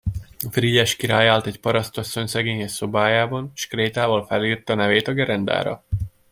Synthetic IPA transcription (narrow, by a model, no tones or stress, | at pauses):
friɟɛʃkiɾaːjaːlt̪ɛcpɒɾɒst̪ɒsːo̞ɲsɛɡeːɲɛso̞baːjaːbɒnʃkreːt̪aːvɒlfɛliːrt̪ːnɛveːt̪ɒɡɛɾɛnd̪a̰ːɾɒ̰